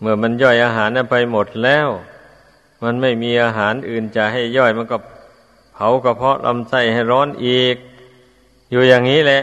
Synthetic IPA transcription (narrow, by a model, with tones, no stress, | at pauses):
mɯ˧˩ɐma˧˥˨njɔː˧˩jʔaː˧ɦaː˨˦nʔa˧˩npa˧jmo˨˩t̪̚lɛː˧˥˩w | ma˧˥˨nma˧˥˩jmiː˧ʔaː˧ɦaː˨˩˦nʔɯː˨˩nt͡ɕaː˨˩k̚ɦa˥˩jːɔː˧˩jma˧˥˨nkɔ˧˩ | pʰa˨˦wkɔ˧˩pʰɔ˧˥lʔa̰˧˥˨msa˧˩jha˧˩jɾɔː˧˥˨nʔiː˨k̚ | juː˧jaː˨˩ŋːiː˦˥˨lɛ˧ʔ